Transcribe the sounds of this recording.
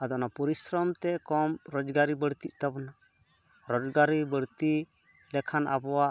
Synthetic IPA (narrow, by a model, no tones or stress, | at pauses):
ad̪ɔʔnapuɾisɾɔmt̪ɛkɔmɾɔd͡ʒɡaɾibəɽt̪iʔ̚t̪abna | ɾɔd͡ʒɡaɾibəɽt̪i | lɛkʰana̰bɔwaʔ